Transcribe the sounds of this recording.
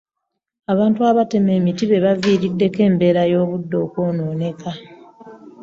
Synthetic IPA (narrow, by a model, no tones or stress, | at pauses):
aβaːntuaβate̞me̞ːmitiβe̞βaviːɾidːe̞ke̞ːmbe̞ːɾajo̞ːβudːo̞ːkoːno̞ːne̞ka